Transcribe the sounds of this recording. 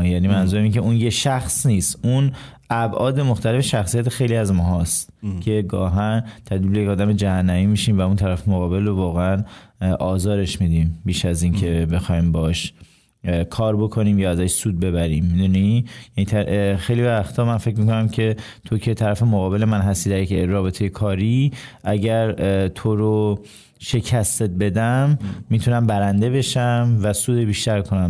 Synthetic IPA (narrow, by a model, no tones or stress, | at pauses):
jæniːmænzuɾæmiːncʰe̞unjeʃæxsniːst̪un | æbʔɒːd̪e̞moxt̪ʰælefeʃæxsijæt̪ʰexejliæzmɒːɦɒːst̪kʰe̞ɡɒ̰ːɦænt̪ʰæd̪vilbejecɒːd̪æmed͡ʒæhænːæviːmiːʃiːmvæunt̪ʰæɾæfemoɣɒːbe̞lrovɒːɣeænʔɒːzɒːɾe̞ʃmid̪iːmbiːʃæziːncʰe̞be̞xɒːjmbɒʃ | kʰɒːɾbo̞kʰo̞niːmjɒːæzæʃsuːd̪̚be̞βæɾiːmːid̪unijæniːt̪ʰæxejliæxt̪ʰɒːmænfecmikonæmcʰe̞ | t̪ʰo̞cʰe̞t̪ʰæɾæfe̞moɣɒːbe̞le̞mænɦæst̪iːd̪æɾjecːɒːbe̞t̪ʰe̞jekʰɒːɾiːʔæɟæɾt̪ʰoɾo | ʃe̞cʰæst̪et̪̚be̞d̪æmːit̪ʰunæmbæɾænd̪e̞be̞ʃæmvæsuːd̪ebiːʃt̪æɾkʰo̞næm